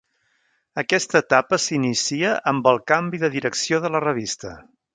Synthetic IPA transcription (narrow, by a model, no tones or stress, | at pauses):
əkɛst̪əːt̪apəsinisiəʔəmbəlˠkambiðəðiɾəksioðələrəβ̞ist̪ə